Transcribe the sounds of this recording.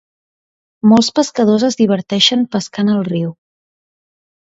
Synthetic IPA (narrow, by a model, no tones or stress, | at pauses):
molˠspəskəðozəzðiβ̞əɾt̪ɛʃəmpəskanəlˠriw